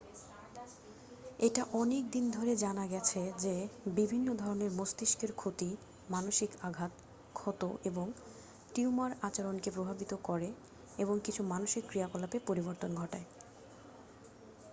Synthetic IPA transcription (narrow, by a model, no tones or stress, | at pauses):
eʈaʔɔnek̚d̪ind̪ʱoɾed͡ʑanaɡɛt͡ɕʰed͡ʑebibʱinːod̪ʱɔɾoneɾmost̪iʃkeɾkʰot̪i | manoʃikaɡʱat̪ | kʰɔt̪oʔeboŋ | ʈiumaɾat͡ɕaɾonkepɾobʱabit̪okɔɾe | eβoŋkit͡ɕʰumanoʃikːɾiakɔlapepoɾiboɾt̪onɡʱɔʈae